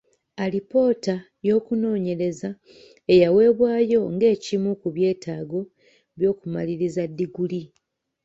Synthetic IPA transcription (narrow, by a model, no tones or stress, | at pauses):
alipo̞ːta | jo̞ːkuno̞ːɲe̞ɾe̞za | e̞jawe̞ːβwaːjo̞ŋɡe̞ːcimukuβje̞ːtaːɡo̞ | βjo̞ːkuma̰liɾizadːiɡuli